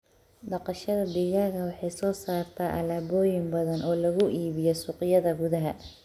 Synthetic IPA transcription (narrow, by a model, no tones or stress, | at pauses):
ɖɑqɑʃɐðɐd̪iɣaːɣɐwɑħɑjsɔːsaːrt̪ʰɐʔɐ̰laːbɔːjɪmbɐðɐnʔɔːlɐɣʊʔiːβɪjɔsʊqɪjɐðɐɡʊðɐɦɐ̰